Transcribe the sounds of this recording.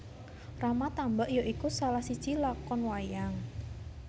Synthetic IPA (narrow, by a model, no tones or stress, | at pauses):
ramat̪ambaʔjoʔikusalahsid̥ʒ̥ilakɔnwajaŋ